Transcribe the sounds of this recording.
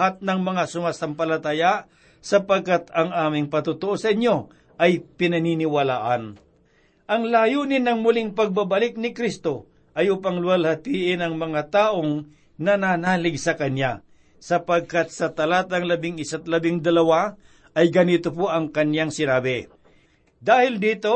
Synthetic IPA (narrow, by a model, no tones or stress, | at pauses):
at̪̚nɐŋmɐŋasʊmasɐmpɐlɐt̪aja | sɐpɐɡ̚kat̪ɐŋʔaːmɪŋpɐt̪ʊt̪oʔosɐʔɪnjo̞ | ʔɐjpɪnɐninɪwɐlaːʔɐn | ʔɐŋlaːjunɪnɐŋmʊlɪŋpɐɡ̚babɐlɪk̚nɪkɾist̪o̞ | ʔɐjʊpaŋlʊalhɐt̪iːʔɪnɐŋmɐŋat̪aːʔoŋ | nɐnanaːlɪɡsɐkɐnja | sɐpɐɡ̚kat̪̚sɐt̪ɐlaːt̪ɐŋlɐbɪŋɪsat̪̚lɐbɪŋd̪ɐlɐwa | ɐjɡɐnit̪op̬oʔɐŋkɐnjaŋsɪnaːbɪ | d̪aːhɪld̪iːt̪o